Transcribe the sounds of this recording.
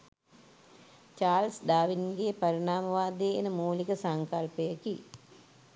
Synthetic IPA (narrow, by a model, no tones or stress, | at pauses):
t͡ʃaːlsɖaːʋinɡepɐɾiɳaːmɐʋaːd̪eːnəmuːlikəsɐŋkɐlpejəki